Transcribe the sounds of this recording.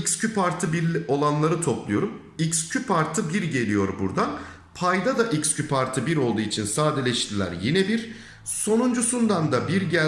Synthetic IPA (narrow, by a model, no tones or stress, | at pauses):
icscʰypʰaɾt̪ʰɯbiɾʲo̞lˠanlˠaɾɯt̪ʰo̞plˠujo̞ɾum | icscʰypʰaɾt̪ʰɯbiɾɟe̞lʲijo̞ɾbṵɾd̪an | pʰajd̪ad̪aʔicscʰypʰaɾt̪ʰɯbiɾo̞lˠd̪uːit͡ʃʰinsaːd̪elʲɛʃt̪ʰilʲæ̰ɾjinɛbiɾ | so̞nund͡ʒusund̪and̪abiɾɟæ